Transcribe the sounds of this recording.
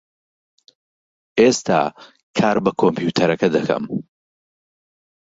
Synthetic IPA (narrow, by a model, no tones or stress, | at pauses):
ʔest̪ʰa̰ː | kʰaːɾbɐkʰompjuːt̪ʰɐɾɐkɐd̪ɐkʰɐ̰m